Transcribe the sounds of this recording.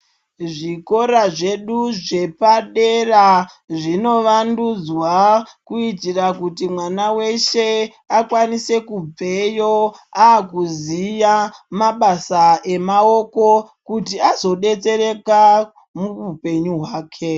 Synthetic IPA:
ʐiko̞ɾaʐe̞ɗuʐe̞paɗe̞ra | ʐino̞ʋandud͡zwakuitirakutimwanawe̞ʃe̞ | akwanise̞kub͡ve̞jo̞aːkuzijamaɓasae̞mao̞ko̞kutiazo̞ɗe̞t͡se̞ɾe̞ka | muupe̞ɲuɦwaːkʰe̞

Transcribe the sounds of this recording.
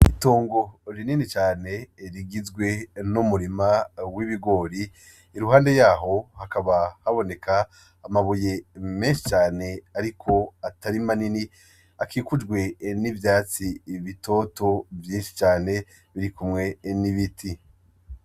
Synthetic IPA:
itoːŋɡo̞ɾininit͡ʃaːne̞ɾiɡizɡwe̞numuɾimawiβiɡo̞ɾiː | ɾuɦaːnde̞jaːɦo̞hakaβahaβo̞ne̞kʰaː | maβuje̞me̞ːnʃi̥t͡ʃaːne̞aɾikʰo̞ataɾimanini | akiːkud͡ʒɡwe̞nivjaːt͡siβitʰo̞to̞vjiːnʃi̥t͡ʃaːne̞ | βiɾikumŋe̞niβitʰi

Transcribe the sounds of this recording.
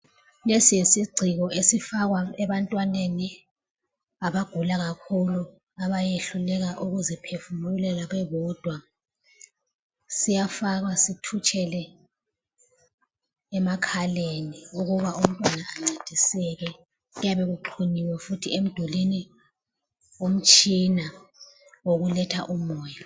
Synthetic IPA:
lesijesiɡ͡ǀʱiɣɔʔesifaɣwaɛβantʼwaneni | aβaɡ̥ʱulaɣakʰulu | aβajeɬulɛɣaʔuɣuzipʰefumuulɛlaɣɛβɔd̥ʱwa | sijafaɣwasitʰut͡ʃʰʼɛlɛ | makʰaleniuɣuβaʔum̩tʼwanaʔaŋ͡ǀad̥ʱisɛɣɛ | jaβeɣuǃʰuniwɛfutʰiem̩d̥ʱɔleni | um̩t͡ʃʼina | woɣulɛtʰa̰ʔumɔːja

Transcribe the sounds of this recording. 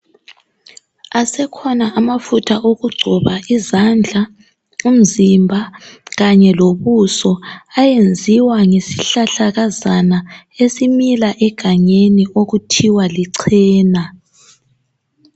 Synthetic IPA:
asɛkʰɔnaʔamafutʰaʔoɣuɡ͡ǀʱɔβaʔizand͡ɮʱa | um̩zimbʱaɣaɲɛloβusɔajend͡zʱiwaŋesiɬaɬaɣazana | esimilaʔɛɡ̥ʱaɲeniʔoɣutʰiwaliǀʰɛːna

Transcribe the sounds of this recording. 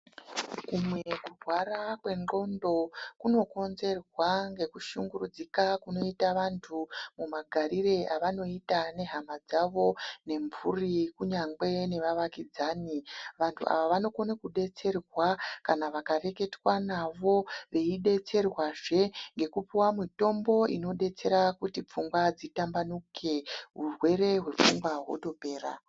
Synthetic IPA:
kumwekurʱwarakwe̞nŋ͡ǃo̞ndo̞kuno̞ko̞nze̞rwaŋɡe̞kuʃuŋɡurud͡zikakuno̞itaʋantʰumumaɡʱaɾire̞ʔaʋano̞itane̞ɦamad͡zaʋo̞ne̞ɱvurikuɲaŋɡ͡be̞ne̞ʋaʋakid͡zaːniʋantʰṵa̰ʋaʋano̞konekuɗe̞t͡se̞rwakanaʋakare̞ke̞twanaʋo̞ʋe̞iɗe̞t͡se̞rwaʐe̞ŋɡe̞kupiwamito̞mbo̞ʔḭno̞ɗe̞t͡se̞ɾakutip͡fuŋɡwad͡zitambanukʰe̞ɦurwe̞ɾe̞ɦwe̞p͡fuŋɡwaɦwo̰to̞pe̞ːɾa̰

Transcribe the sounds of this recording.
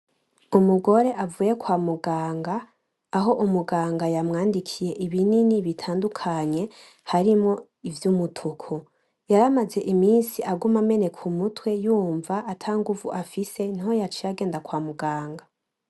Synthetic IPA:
umuɡo̞ɾe̞ʔavuːje̞kwaːmuɡaːŋɡaː | ɦo̞ʔumuɡaːŋɡajamŋaːndikʰije̞ʔiβininiβitʰaːndukʰaɲe̞ | haɾimŋo̞ | ivjumutʰukʰo | jaɾamaze̞ʔimiːnsiʔaɡumame̞ne̞kʰumutwe̞juːɱvaʔːtʰaŋɡuvuʔafise̞niho̞jat͡ʃijaɡe̞ːndakwaːmuɡaːŋɡa

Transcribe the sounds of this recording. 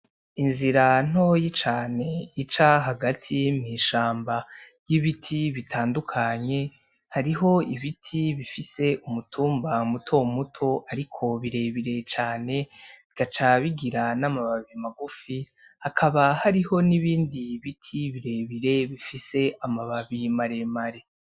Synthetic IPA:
inziɾan̥o̞jit͡ʃaːne̞it͡ʃaɦaɡatʰimŋiːʃaːmbaɾɟ̥iβitʰiβitʰaːndukʰaɲe̞ | haɾiɦo̞iβitʰiβifise̞ʔumutʰuːmbamutʰo̞mutʰo̞ʔaɾikʰo̞βiɾe̞βiɾe̞t͡ʃaːne̞βikat͡ʃaβiɡiɾanamaβaβimaɡufi | hakʰaβahaɾiho̞niβiːndiβitʰiβiɾe̞βiɾe̞βifise̞amaβaβimaɾe̞maɾe̞

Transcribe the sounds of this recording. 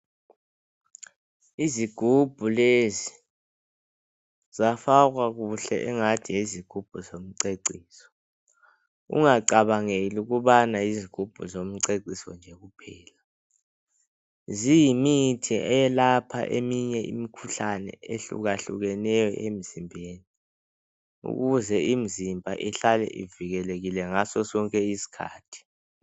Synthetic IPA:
iziɡ̥ʱub̥ʱulezi | zafak̬wak̬uɬɛ̰ʔɛŋatʰijeziɡ̥ʱub̥ʱuzom̩ǀeǀiːsɔ̥ | ṵŋaǀaɓaŋeluk̬uɓanaiziɡ̥ʱub̥ʱuzom̩ǀeǀisɔ̰nd͡ʒʱɛk̬upʰɛːla | zijimitʰiʔɛjɛlapʰa̰ʔemiɲɛʔḭmikʰuɬanɛ̰eɬṵk̬aɬṵk̬ɛnɛjɔ̰ʔem̩z̥imbʱeːni | ṵk̬uzɛim̩zimbʱaʔiɬalɛ̰ʔḭviɣɛlek̬ilɛŋasɔsɔŋkʼɛisi̥kʰa̰ːtʰi̥

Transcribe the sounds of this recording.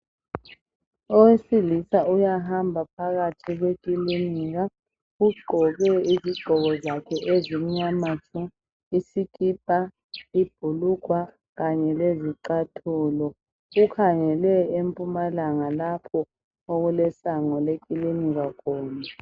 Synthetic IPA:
owesilisaujaɦambʱapʰaɣatʰiɣwekʼiliniɣa | uɡ͡ǃʱɔɣɛiziɡ͡ǃʱɔɣɔzakʰɛʔezimiɲamatʰʼu | isikʼib̥ʱʼa | ib̥ʱulukwa | ɣaɲɛleziǀatʰuːlɔ | ɣukʰaŋɛlɛempʼumalaŋalapʰɔ | oɣulɛsaŋɔlekʼiliniɣakʰɔːna

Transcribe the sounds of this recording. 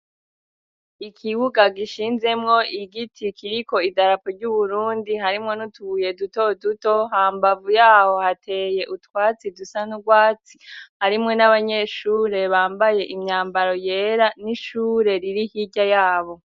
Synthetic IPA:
ikʰiβuɡaɡiʃiːnze̞mŋo̞ʔiɡitʰikʰiɾiko̞idaɾapoɾɟuβuɾuːndiɦaɾimŋo̞nutuuje̞duto̞duto̞ɦaːmbavujaːho̞hatʰe̞ːje̞ʔutkwaːt͡sidusanuɡwaːt͡si̥haɾimŋe̞naβaɲe̞ʃuɾe̞βaːmbaje̞ʔimɲaːmbaɾo̞je̞ːɾaniʃuːɾe̞ɾiɾihiɟajaːβo̞

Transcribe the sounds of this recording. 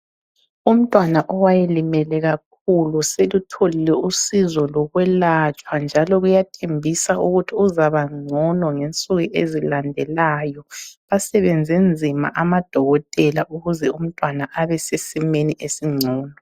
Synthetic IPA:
um̩tʼwanaʔɔwajelimɛlɛɣak̚ʰuluselutʰolilɛusizɔlɔɣwɛlat͡ʃʼwand͡ʒʱalɔɣujatʰembʱisauɣutʰiuzaβaŋ͡ǀʱɔnɔŋent͡sʼuɣiʔezilandʱɛlaːjɔβasɛβend͡zʱend͡zʱima̰ʔamad̥ʱɔɣɔtʼɛlaʔuɣuzɛum̩tʼwanaʔaβɛsesimeniʔesiŋ͡ǀʱɔːnɔ

